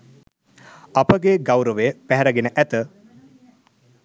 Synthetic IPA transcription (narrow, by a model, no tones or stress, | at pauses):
ɐpəɡeɡawɾəʋejəpæɦɛɾɐɡenəʔæt̪ə